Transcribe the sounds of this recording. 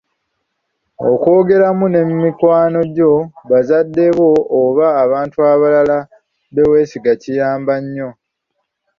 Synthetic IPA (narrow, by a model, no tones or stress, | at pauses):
o̰ko̞ːɡe̞ɾamune̞mːikwaːno̞ɟo̞βazadːe̞βo̞ːβaːβaːntuaβalala | βe̞we̞ːsiɡacijaːmbaɲːo̞